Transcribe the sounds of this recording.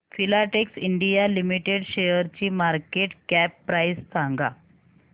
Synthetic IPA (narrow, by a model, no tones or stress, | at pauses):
filaʈeksiɳɖijalimiʈeɽɕejəɾt͡ɕiːmaɾkeʈkæpːɾajsːãŋɡa